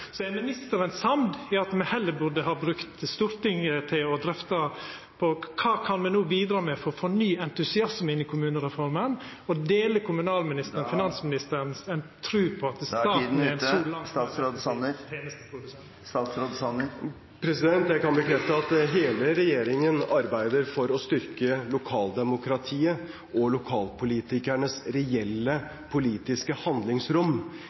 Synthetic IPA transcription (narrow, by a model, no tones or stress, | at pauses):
sɔɛnmɪnɪst̪əɾənsɑmd̪ɛɾɑt̪mɛhɛlːəbʊɖəhɑːbɾʉkt̪st̪uːɾt̪ɪŋət̪ʰɪlɔd̪ɾɛft̪ə | pʰɔkʰɑːkʰɑnmɛnuːbiːd̪ɾɑːmɛfɔɾɔfɔnyːɛnt̪ʉsɪɑsmɪnːɪkʰʊmʉːnəɾɛfɔɾmən | ɔd̪eːləkʰʊmʉnɑːlmɪnɪst̪əɾfɪnɑnsmɪnɪst̪əɾənsɛnt̪ʰɾʉːpʰɔɑt̪əsɑnsuːlɑsɑsɾod̪snət̪ʰeːnəst̪ə̥pʰɾʊd̪ʉsɛn | st̪ɑːt̪sɾod̪sɑnə | pʰɾɛsɪd̪ɛnt̪jæɪkɑnbəkʰɾɛft̪əɑt̪ɦeːləɾɛjeːɾɪŋənɑɾbæɪd̪əɾfɔɾɔst̪ʏɾkəlʊkʰɑːld̪ɛmʊkɾɑt̪ʰiːə | ʔɔlʊkʰɑːlpʰʊliːt̪ɪkæɳəsɾɛɛlːə | pʰʊliːt̪ɪskəhɑnd̪lɪŋsɾʊm